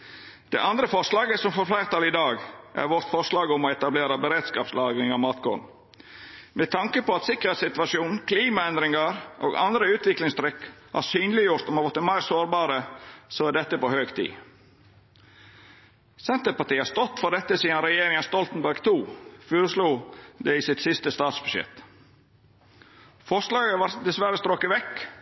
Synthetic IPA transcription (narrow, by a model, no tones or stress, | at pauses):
d̪̥ɛ̰ʔɑnd̪ɾəfɔʂlɑːɡəsɔmfɔɾflæɪɾt̪ɑlɪd̪ɑːɡʔæ̰ɾʋɔɾt̪fɔʂlɑːɡɔmɔɛt̪ɑbleːɾɑbəɾeːd̪skɑːpslɑːɡɪŋɑmɑːt̪ɡɔ̰n | mɛt̪ʰɑŋkəpɔɑt̪sɪkəɾhɛɪsɪt̪ʋɑʂjuːn̩kʰliːmɑɛnd̪ɾɪŋɑɾʔo̰ːɡɑ̰nd̪ɾəʉːt̪ʋɪklɪŋst̪ʰɾʏkːhɑ̰ɾsyːnlɪjʊɾt̪ɔmɑɾʋɔt̪ːəmæɪɾsoːɾbɑːɾəsoːæɖ̪ɛt̪ːəpɔhøːɡt̪ʰḭː | sɛnt̪əɾpɑʈ̪iːhɑɾst̪ɔt̪ːfɔɾdɛt̪ːəsiːɑnɾɛjeːɾɪŋɑst̪ɔlt̪nbæɾɡt̪ʰuːføːɾəsluːd̪ɛɪsɪt̪sɪst̪əst̪ɑːt̪sbʉʂjɛ̰t̪ | fɔʂlɑːɡəʋɑɾd̪ɛsʋæɾəst̪ɾoːkːəʋɛkː